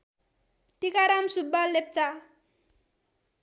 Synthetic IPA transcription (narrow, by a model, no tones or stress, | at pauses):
ʈikaɾamsubːalep̚t͡sa